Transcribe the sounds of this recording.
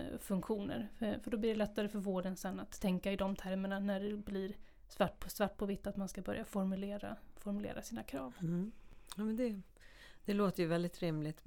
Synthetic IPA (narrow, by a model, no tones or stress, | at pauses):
fɵŋkɧuːnə̰ɾfœɖɔblɪɖɛlɛt̪ːaɾəfœɾvoːɖənsɛnːat̪ʰːɛŋkaɪd̪ɔmt̪ʰæɾməɳanæɖɛbliɾ | svaʈ̚ːpʰɔsvaʈ̚ːpʰɔvɪt̪ːat̪manskabœɾjafɔɾmɵleːɾa̰fɔɾm̟lḛːɾʔasiːnakʰɾɑːv | jɑːmɛnd̪ɛ | d̪̥ɛloːt̪əɾjɵvɛld̪ɪt̪ɾɪmlɪt̪